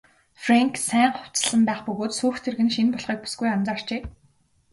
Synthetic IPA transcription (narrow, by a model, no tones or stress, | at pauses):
fraŋksæːɴχʊ̥w̥t͡sə̆ɮə̆mpæːχpɵɣoːt̪suːxt̪ʰerɣɘ̆nʃinpɔɮχiːk̚pu̥sɡujamt͡saːr̥t͡ɕeː